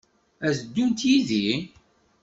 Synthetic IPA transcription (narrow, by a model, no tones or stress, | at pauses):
æzd̪ːunt̪jiði